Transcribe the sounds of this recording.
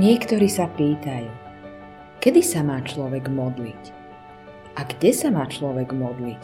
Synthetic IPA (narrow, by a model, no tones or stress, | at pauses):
ɲɪɛkt̪ɔɾiːsapiːt̪ajuː | kɛd̪isamaːt͡ʃlɔʋɛɡmɔd̪lic | ʔaɡɟɛsamaːt͡ʃlɔʋɛɡmɔd̪lic